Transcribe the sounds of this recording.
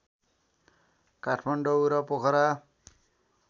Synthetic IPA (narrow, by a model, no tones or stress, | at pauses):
kaʈʰmaɳɖouɾʌpokʰʌɾa